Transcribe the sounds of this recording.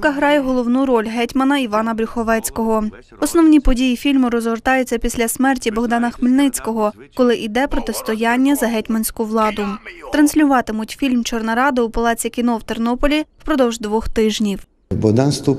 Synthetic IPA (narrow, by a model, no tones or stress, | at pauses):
kɐɦɾɑjɛɦɔlˠɔwnuɾɔlʲɦɛtʲmɐnɐiʋɑnɐbɾʲʊxɔʋɛt͡sʲkɔɦɔ | ɔsnɔwnʲipɔdʲijifʲilʲmʊɾɔzʋert̪ɑjʊt͡sʲːɐpʲisʲlʲɐsʲmɛrtʲibɔɦd̪ɑnɐxmɪlʲnɪt͡sʲkɔɦɔkɔlˠɪʔid̪ɛpɾɔt̪ɪst̪ɔjɑnʲːɐzɐɦɛtʲmɐnʲsʲkʊʋlˠɑd̪ʊt̪ɾɐnsʲlʲʊʋɑt̪ɪmʊtʲfʲilʲmt͡ʃɔrnɐɾɑd̪ɪupɐlˠɑt͡sʲikʲin̪ɔwt̪ernɔpɔlʲiwpɾɔd̪ɔwʒd̪ʋɔxt̪ɪʒnʲiw | bɔɦd̪ɑnst̪u